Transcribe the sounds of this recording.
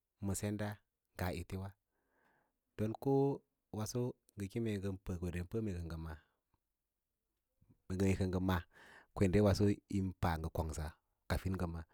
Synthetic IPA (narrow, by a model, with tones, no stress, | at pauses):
mə˨se˦nda˦ | ŋɡa˨ʔi˨ti˦wa˦ | d̥o˨nku˦ | wa˨so˦ | ŋɡə˨ki˦me˨ɡə˨npə˨ko˨de˨npə˦me˨kə˨ŋɡə˨ma˨ | me˨ɡə˨me˨kə˨ŋɡə˨ma˨kʷe˨nde˦wa˨so˦i˦mpa˨ŋɡə˨ko˨ŋsa˨ | ka˨fi˦n˦ɡə˨ma˨